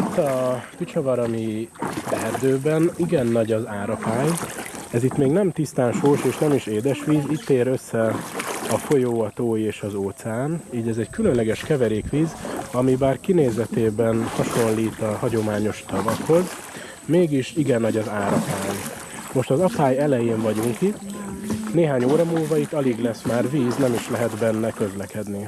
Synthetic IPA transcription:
it̪ːɒkit͡ʃɒvɒɾɒmibɛrd̪øːbɛniɡɛnːɒɟɒzaːɾɒpaːɲɛzit̪meːɡnɛmt̪ist̪aːnʃoːʃeːʃnɛmiʃeːd̪ɛʃʋiːzict̪ːeːɾø̞sːɛɒfo̞joːɒt̪oːjeːʃɒzoːt̪saːniːɟɛzɛɟkylønlɛɡɛʃkɛvɛɾeːkʋiːzɒmibaːrkineːzɛt̪eːbɛnhɒʃo̞nliːt̪ɒhɒɟo̞maːɲo̞ʃt̪ɒvɒkho̞z | meːɡiʃiɡɛnːɒɟɒzaːɾɒpaːj | mo̞ʃt̪ɒzɒpaːjɛlɛjeːɱvɒɟuŋkit̪neːɦaːɲoːɾɒmuːlvɒit̪ːɒliɡlɛsmaːrviːznɛmiʃlɛɦɛd̪bɛnːɛkø̞zlɛkɛd̪ni

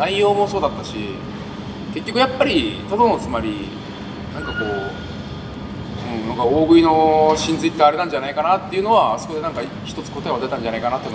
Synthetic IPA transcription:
naijːo̞ːmo̞so̞ːd̪at̪ːaɕḭ | ke̞kʲːo̞kɯjapːaɾʲit̪od̪onot͡sɨmaɾʲi | nãŋkako̞ː | ɯ̟̃ɴnãŋkaoːɡɯ̟ino̞ɕĩnd͡zɨit̪ːeaɾe̞nãɲ̟d͡ʑanaikanat̪ːe̞jiɯ̟no̞βaso̥ko̞d̪e̞nãŋka | çi̥t̪o̞t͡sɨ̥ko̞t̪oed̪et̪ãɲ̟d͡ʑanaikanat̪oiɯ

